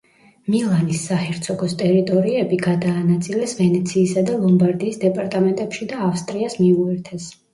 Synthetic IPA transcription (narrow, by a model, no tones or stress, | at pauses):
milˠanisːahɛɾt̪sʰɔɡɔst̪ʼɛɾit̪ʼɔɾiɛbiɡad̪aːnat̪sʼilɛsvɛnɛt̪sʰiːsad̪alˠɔmbaɾd̪iːsd̪ɛpʼaɾt̪ʼamɛnt̪ʼɛpʃid̪aːfst̪ʼɾiasmiuɛɾt̪ʰɛs